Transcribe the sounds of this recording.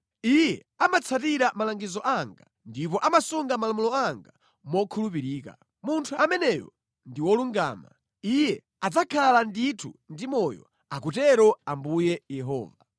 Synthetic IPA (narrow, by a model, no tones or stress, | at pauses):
ijɛ | amat͡sʰatiɾamalaŋɡizɔʔaŋɡa | ndipɔʔamasuŋɡamalamulɔaŋɡa | mɔkʰulup̬iɾiːka̰ | muntʰuamɛnɛjɔ̰ | ndiwɔluŋɡaːma̰ | ijɛ | ad͡zakʰalanditʰundimɔjɔ̰ | akutɛɾɔambujɛjɛɦɔ̰ːva